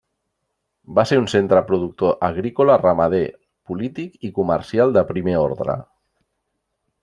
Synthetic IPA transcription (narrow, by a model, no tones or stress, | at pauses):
baseɾunsent̪ɾəpɾuð̞uk̚t̪oʔəɣ̞ɾikolarəmað̞e | pulit̪ikikuməɾsialˠd̪əpɾimeo̰ɾðɾə̰